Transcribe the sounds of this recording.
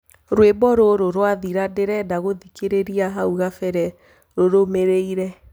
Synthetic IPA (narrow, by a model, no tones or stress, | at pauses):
ɾwebɔɾoɾoɾwaðiɾadeɾɛdaɣoðikeɾeɾiaɦauɣafɛɾɛ | ɾoɾomeɾeiɾɛ